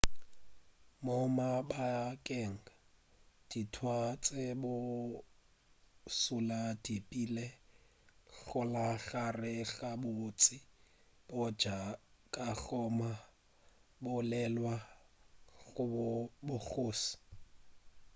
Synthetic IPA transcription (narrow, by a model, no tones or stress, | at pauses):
mʊmabakʼɛŋ̩a | d̥itʰwat͡sʼɪbʊ | sulad̥ipʼile | ɬʊlaɬarɪɬabʊt͡sʼɪ | bʊd͡ʒakʼaɬɔma | bʊlɛlwa | ɣʊbʊk͡xoːsi̥